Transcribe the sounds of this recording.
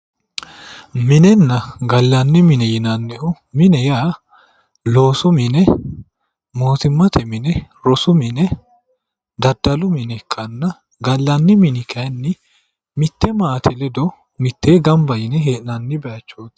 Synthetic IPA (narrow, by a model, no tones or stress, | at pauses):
mɪnɛnːɐɡɐlːɐnːɪmɪnɛjɪnɐnːɛʔʊ | mɪnɛjaː | lo̞ːsʊmɪnɛ | mo̞ːt̪ɪmːɐt̪ʰɛmɪnɛ | ɾɔsʊmɪnɛ | d̪ɐd̪ːɐlʊmɪnɛkʰːɐnːɐ | ɡɐlːɐnːɪmɪnɪkʰɐnːɪ | mɪt̪ːɛmaːt̪ʰɛlɛd̪ɔ | mɪt̪ːeːɡɐmbɐjɪnɛɦeːʔnɐnːɪbɛʔɐt͡ʃːoːt̪ː